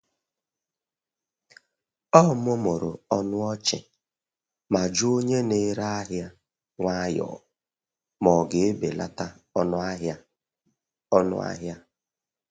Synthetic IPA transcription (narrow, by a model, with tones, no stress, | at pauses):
ɔ˦˨m˦ʊ˦mo˨ɾʊ˨ɔ˦nʊ˦ɔ˦t͡ʃɪ̰˨ | ma˨d͡ʒu˦o˦ɲe˦ne˦ɾa˦ɦja˦ | ŋʷa˦jɔ̰˨ | mɔ˨ɡe˨e˦be˨la̰˦ta˦ | ɔ˦nʊ˦a˦ɦja˦ | ɔ˦nʊ̰˦a̰˦ɦja˦